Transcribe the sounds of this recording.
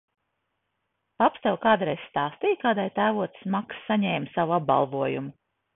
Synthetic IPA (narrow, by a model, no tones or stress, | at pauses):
apst̪ɛwkaːd̪ɾɛjsst̪ɑːst̪ijkaːd̪ajt̪æːvuɔt̪smaksːaɲɛːmsavuab̚ba̰lˠvuɔjumʊ